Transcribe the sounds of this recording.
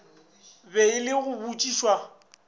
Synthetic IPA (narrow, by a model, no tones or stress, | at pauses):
beɪlɪɣʊbut͡ʃʼiʃwa